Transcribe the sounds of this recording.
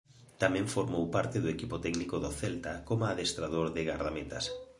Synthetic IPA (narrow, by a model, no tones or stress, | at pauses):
t̪amɛ̃ɱfoɾmowpaɾt̪ɪðʊekipot̪ɛɡnikoðoθɛlt̪akomaðest̪ɾað̞oɾðɪɣaɾðamet̪a̰s